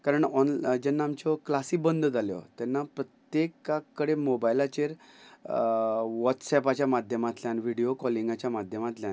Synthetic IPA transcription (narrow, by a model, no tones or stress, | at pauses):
kaɾəɳɔnd͡ʑɛnːaːmt͡ɕɔklasik̚bənd̪ʱəd͡zaljɔ̰t̪ɛnːapɾət̪jekːakːəɽemobajlat͡ɕeɾ | ʋɔt̪sɛpat͡ɕjamad̪ʱjəmat̪ljanʋiɽijokɔliŋɡat͡ɕjamad̪ʱjəmat̪ljãn